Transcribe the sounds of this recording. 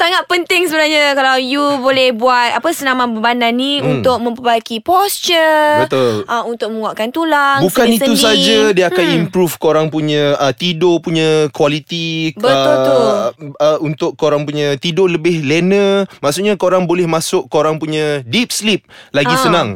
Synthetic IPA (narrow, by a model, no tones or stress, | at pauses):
saŋat̪̚pənt̪ɪŋsəbənaɾɲakalawjubolɛhbuat̪̚apəsənamabəbananːiunt̪ʊk̚mə̃mpəbakipɔst͡ʃəbət̪olʔaunt̪ʊk̚məŋaʔkant̪ulaŋbuskaniəus̬ad͡ʒadiakanimpɾufkoɾaŋpuɲãət̪idopuɲãkualit̪ibəə | əunt̪ʊkːoɾaŋpuɲãt̪idoləbɪhlenəmaʔsʊʔɲakoɾaŋbolɛhmasʊkːoɾaŋpuɲadip̚slip̚laɡisənãŋ